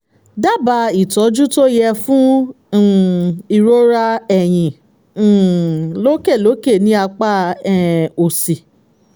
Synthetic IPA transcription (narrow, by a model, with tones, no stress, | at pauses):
da˦˨ba˧i˦˨tɔ˨˦d͡ʒu˦to˦jɛ˧fũ˦˨ | i˧˨ɾo˦ɾa˧ɛ˨j̃ĩ˨ | lo˦ke˦˨lo˨˦ke˦˨nĩ˨˦a˧k͡pa˦ɛ˦˨o˨si˨